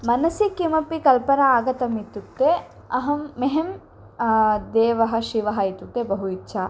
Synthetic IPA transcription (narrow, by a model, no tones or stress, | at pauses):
mɐnɐsikimɐpikɐlpɐnɐaːɡɐt̪ɐmit̪uk̚t̪e | ɐɦɐmːeɦem | d̪eːʋɐɦɐ̆ʃiʋɐɦɐit̪uk̚t̪ebɐɦuitːʃʰa